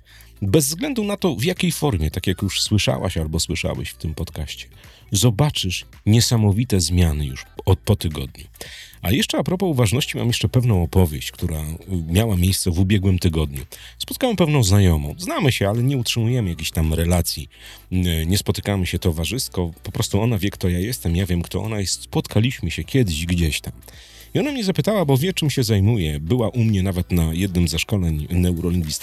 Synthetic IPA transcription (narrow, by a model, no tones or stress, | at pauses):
bɛzvzɡlɛnd̪unat̪ɔvjakʲejfɔɾmʲjɛt̪akʲjakjuʂswɘʂa̰wa̰ɕalbɔswɘʂa̰wɛ̰ɕft̪ɘmpɔt̪kaɕt͡ɕɛ̥ | zɔbat͡ʂɘʂ | ɲɛsamɔvʲit̪ɛzmʲjanɘjṵʂɔt̪̚pɔt̪ɘɡɔ̰d̪ɲṵʔajɛʂt͡ʂɛapɾɔpɔuvaʐnɔɕt͡ɕima̰mjɛʂt͡ʂɛpɛvn̪ɔ̃w̃ɔpɔvʲjeɕt͡ɕkt̪uɾamʲjawamʲjejst̪sɛvubʲjɛɡwɘmt̪ɘɡɔd̪ɲṵspɔt̪̚kawɛmpɛvnɔ̃w̃znajɔmɔ̰̃w̃znamɘɕɛalɛɲɛutʂɘmujɛmɘjakʲeɕt̪amɾɛlat̪sʲji | ɲɛspɔt̪ɘ̥kamɘɕɛt̪ɔvaʐɘst̪kɔpɔpɾɔst̪uɔnavʲjɛkt̪ɔjajɛst̪ɛmjavʲjɛmkt̪ɔʔɔ̰najɛst̪spɔt̪kʰalʲiɕmɘɕɛkʲɛd̪ɘɕɡd͡ʑɛɕt̪am | iɔnamɲɛzapɘt̪awabɔvʲjɛt͡ʂɘmɕɛzajmujɛbɘwaʔumɲɛnavɛt̪najɛd̪̚nɘmzːaʂkɔlɛɲnɛuɾɔlʲiŋɡvʲist̪